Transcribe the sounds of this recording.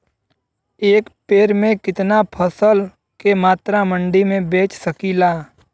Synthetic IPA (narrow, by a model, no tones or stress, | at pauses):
eːkpeːɾmẽkɪt̪napʰəsəl | kemaːt̪ɾamə̃ɳɖimẽbeːt͡ʃsəkiːlaː